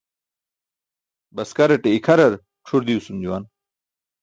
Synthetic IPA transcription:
bɐskɐɾɐʈeikʰɐɾɐɾ | ʈ͡ʂʰuɾd̪iusumd͡ʑuwan

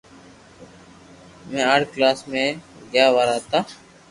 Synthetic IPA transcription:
mɛ̃ːaːʈklaːsmẽːɡjaːʋaːɾaːt̪aː

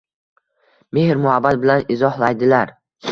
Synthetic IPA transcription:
me̞hɾmʊhabːat̪̚bɪlanɪzɒhlˠajd̪ɪlaɾ

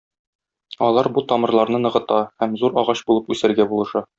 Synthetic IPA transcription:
ɒlˠɑɾbut̪ɒmɤ̆ɾlˠɑɾnɤnɤ̆ʁɤ̆t̪ɑhæmzuɾɒʁɑɕbulˠɤpʉsɘ̆ɾɡæbulˠɤ̆ʃɤ

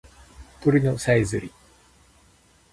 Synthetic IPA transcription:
t̪oɾʲinosaizɨɾʲi

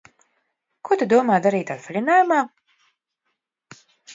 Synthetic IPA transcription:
kut̪ad̪uɔmaːd̪aɾiːt̪at̪flʲinaːjumaː

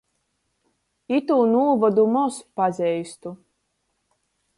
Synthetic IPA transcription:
it̪uːnuɔvɔd̪umɔspazʲɛjst̪u

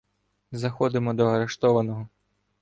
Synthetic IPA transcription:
zɐxɔd̪ɪmɔd̪ɔɐɾe̞ʃt̪ɔʋɐnɔɦɔ

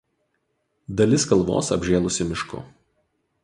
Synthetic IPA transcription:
d̪ɐlʲɪskɐlˠʋo̰ːsɐ̰bʲʒʲeːlˠʊsʲɪmʲɪʃkʊ̰

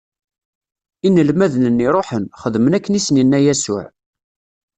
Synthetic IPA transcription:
inːəlmæðnənːiɾˤoħənχəðmənækːənisəninːæjæsʊ̰ʕ

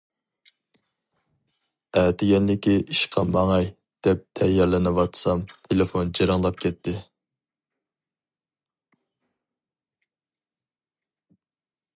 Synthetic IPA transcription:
ɛt̪ɪɡʲɛnlɪkʲiʔiʃqʰɑmɑŋɑj | d̪̥ɛp̚t̪ʰɛjːɑɾlˠɨnɨwɑt̪sɑmt̪ʰelefond͡ʒiɾɨŋlˠɑp̚kʲɛt̪ʰːɪ

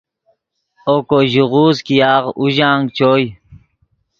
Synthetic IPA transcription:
oːkoʑuʁuːzkijaːʁuʑaːŋɡt͡ɕoːj

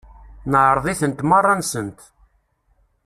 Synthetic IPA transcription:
nəʕɾˤðˤiθənt̪mɑrˤːɑnsənt̪

